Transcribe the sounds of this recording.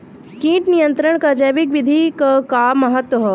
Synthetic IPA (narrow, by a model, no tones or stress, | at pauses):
kĩːʈnijə̃nt̪ɾəɳkad͡ʒɐjʋikʋid̪ʱikɐkaːmːɐɦɐt̪wɐɦɔ